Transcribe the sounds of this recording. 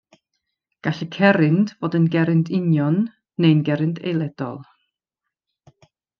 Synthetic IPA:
ɡ̥aɬəkʰɛɾɪndv̥oːdənɡɛɾɨndɪnjɔnː | ejnɡɛɾɨndʰḛjlˠɛd̥ɔ̰lˠ

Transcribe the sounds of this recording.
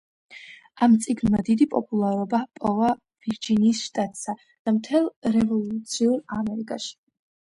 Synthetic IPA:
amt̪sʼiɡnmad̪id̪ipʼɔ̰pʼulˠaɾɔbapʼɔva | v̥iɾd͡ʒiniːsʃt̪ʼat̪ʼsa | d̪̥amt̪ʰɛlˠɾɛvɔlˠut̪sʰiuɾamɛɾikʼaʃi̥

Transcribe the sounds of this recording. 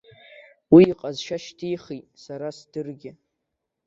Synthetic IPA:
wiːqʼazʃaʃtʰijχijtʼsaɾasd̥ɨrɡʲɪ

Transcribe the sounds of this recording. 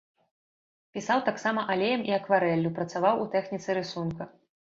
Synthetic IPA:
pʲisawt̪aksamɐʔalʲejɐmʔiɐkvaɾɛlʲːupɾɐt̪savawut̪ɛxnʲit̪sɨɾɨsunkɐ

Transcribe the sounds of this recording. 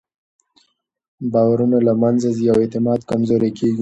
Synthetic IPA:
bɑwaɾunalamanzazijawet̪ɪmɑd̪kamzoɾekʰeɡi

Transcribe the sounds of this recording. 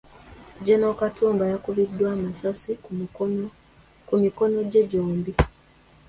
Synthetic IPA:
ɟenokatʰuːmbajakuβidːwaːmasasi | kumiko̞no̞ɟeɟoːmbi

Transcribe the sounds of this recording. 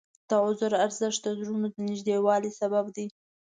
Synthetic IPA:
d̪̥əʕʊzʊɾaɾzɪʃt̪̚d̪əzɾunod̪ənɪʒd̪ewɑlisababd̪i

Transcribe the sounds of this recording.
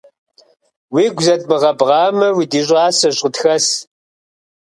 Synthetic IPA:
wiːɡʷzɐtʼmɨʁɐbʁɑːmɐwiːdiːɕʷʼɑːsɐɕʼətxɐs

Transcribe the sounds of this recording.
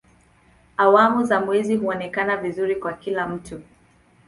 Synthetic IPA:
awamuzamwɛziɦuɔnɛkanavizuɾikwakilam̩tu

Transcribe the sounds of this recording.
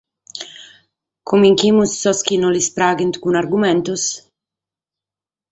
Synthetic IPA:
kʰumiŋkimusːɔsk̟inɔlispɾaːɡint̪kunaɾɡumɛnt̪us

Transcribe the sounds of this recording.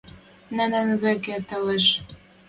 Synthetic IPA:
nə̆nə̆nβĕket̪ə̆leʃ

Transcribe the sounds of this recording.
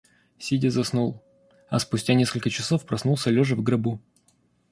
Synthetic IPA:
sʲidʲəzɐsnulˠ | ɐ̰spʊsʲtʲanʲe̞skəlʲkət͡ɕɪsofpɾɐsnulˠsʲəlʲoʐɨvɡɾɐbu

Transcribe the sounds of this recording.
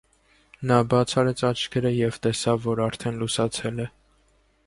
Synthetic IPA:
nɑbɑt͡sʰɑɾɛt͡sʰɑt͡ʃʰkʰɛɾəjɛv̥t̪ɛsɑvːɔɾɑɾt̪ʰɛnlusɑt͡sʰɛlɛ

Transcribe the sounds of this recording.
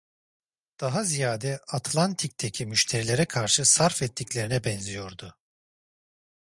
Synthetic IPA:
d̪̥aɦazijaːd̪ɛat̪ʰlˠant̪ʰic̚t̪ʰecʰimyʃt̪ʰe̞ɾilʲe̞ɾɛkʰaɾʃɯsaɾfɛt̪ʰːicʲlʲe̞ɾinɛbɛnzijo̞ɾd̪ʊ

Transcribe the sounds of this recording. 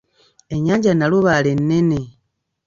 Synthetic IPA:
eɲaːɲɟanaluβale̞nːene

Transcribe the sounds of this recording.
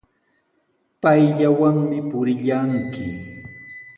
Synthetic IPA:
pajʎawaŋmɪpʊɾɪʎaŋkɪ

